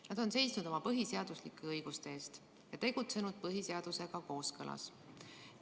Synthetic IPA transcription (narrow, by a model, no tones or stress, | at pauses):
nɑd̪̥o̞nse̞jsnud̪o̞mɑpɤɦiseɑd̪̥uslikːˑe̞ɤjɡ̥ust̪eeːst̪ | jɑt̪e̞ɡ̥ut̪se̞nud̪̥̚pɤɦiseɑd̪̥use̞ɡ̥ɑko̞ːskɤlʔɑ̰s